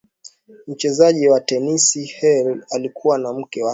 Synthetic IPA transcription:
m̩t͡ʃɛzaʄiwatɛnisihɛlalikʰuwanam̩kɛwa

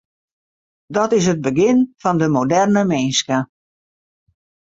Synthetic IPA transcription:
dɔtɪs̬ɦəd̚bəɡɪnfɔndəmodɛrnəmeːnskə

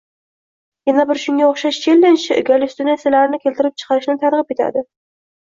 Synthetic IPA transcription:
janabɪɾʃʊŋɡʲaoχʃaʃt͡ʃʰelːɪnʃɪʊɡʲalɪst̪ɪnaselaɾɪnɪkʲʰelt̪ɪɾɪp̚t͡ʃʰɨ̥qʰɑɾɪʃnɪt̪ʰaɾʁɨp̚ʰʲet̪ʰa̰d̪ɪ

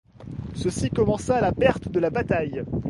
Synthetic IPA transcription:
səsikɔmɑ̃saːlapɛʁt̪d̪əlabat̪aj

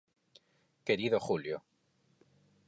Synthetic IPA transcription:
ke̞ɾiðoxuljo̰

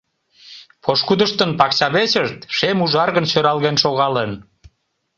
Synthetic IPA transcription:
pʰoʃkud̪əʃt̪ənpɑkt͡ɕɑβet͡ɕəʃt̪ʃemuʒɑrɣənɕøɾɑlɣenʃoɣɑlen

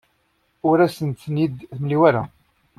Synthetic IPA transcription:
ʊɾæsənt̪ːnid̪θmliwæɾa̰

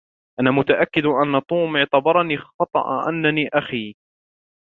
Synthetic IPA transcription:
ʔanaːmʊt̪aʔakːɪd̪ʔanːat̪ˤuːmɪʕt̪abɑɾˤɑniːxɑt̪ˤɑ̰ʔa̰ʔa̰nːaniːʔaxiː

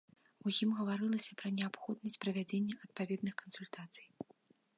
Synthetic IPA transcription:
ujimɣɐvaɾɨlˠɐsʲɐpɾɐnʲɛapxɔd̪̚nɐsʲt͡sʲpɾɐvʲad͡zʲenʲːɛʔɐt̪̚pavʲɛd̪nɨxkɐnsulʲt̪at̪sɨj

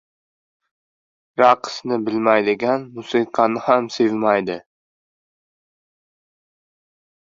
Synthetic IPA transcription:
ɾaqʰɨ̥snɪbɪlmajd̪ɪɡʲanmʊsiqʰɑnɪhamsevmajd̪ɪ

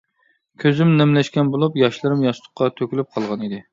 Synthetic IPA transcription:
kʲʰøzymnɛmlɛʃkʲɛnbolˠupjɑʃlˠɨɾɨmjɑʃlˠʊ̥qʰːɑt̪ʰøkʲylyp̚qʰɑlˠʁɑnid̪ɪ

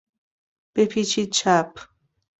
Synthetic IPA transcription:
pepʰit͡ʃit͡ʃʰap

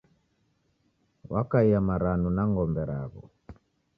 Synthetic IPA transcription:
wakaiamaɾanunaŋɡɔmbɛɾaβɔ̰

